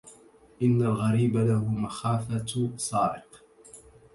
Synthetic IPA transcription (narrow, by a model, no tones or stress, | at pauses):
ʔɪnːalɣaɾiːbalaɦʊmaxaːfasˤɑːɾɪq